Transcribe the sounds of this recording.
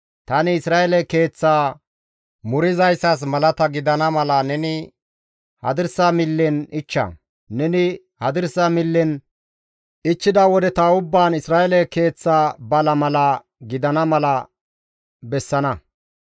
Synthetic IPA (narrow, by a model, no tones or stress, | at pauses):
t̪ɐnɪɪsɾaːʔɛlɛke̞ːt͡sːaː | mʊɾɪzɐjsɐs̬mɐlɐt̪ɐɡɪd̪ɐnɐmɐlɐnɛnɪ | hɐ̰d̪ɪɾsamɪlːɛnɪt͡ʃːɐ̰ | nɛnɪ | hɐd̪ɪɾsɐmɪlːɪn | ɪt͡ʃːɪd̪ɐwɔd̪ɛt̪aʊbːaːnɪsɾaːʔɛlɛke̞ːt͡sːaːbɐlɐmɐlɐ | ɡɪd̪ɐnɐmɐlɐ | bɛsːɐnɐ